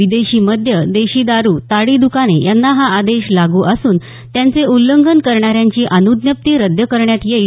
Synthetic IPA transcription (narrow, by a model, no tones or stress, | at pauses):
ʋid̪eɕiːməd̪ʱjəd̪eɕiːd̪aɾuːt̪aɽiːd̪ukanejanːaɦaad̪eɕlaɡuːʔəsuːn | t̪jant͡seulːəŋɡʱənkəɾɳaɾjaɲt͡ɕiːʔanud̪njəp̚t̪iːɾəd̪ʱjəkəɾɳjat̪jei